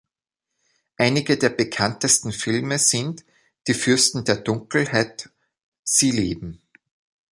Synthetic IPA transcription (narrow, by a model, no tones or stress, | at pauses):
ʔaɪnɪɡədeːɐbəkʰantəstn̩fɪlməz̥ɪnt | d̥iːfʏɐstn̩deːɐdʊŋkl̩haɪt | z̥iːlḛːbm̩